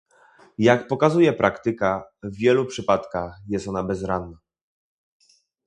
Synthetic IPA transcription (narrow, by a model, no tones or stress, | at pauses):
jakpɔkazujɛpɾʔakt̪ɘkavːʲjɛlupʂɘpat̪kaxjɛst̪ɔnabɛzɾanːa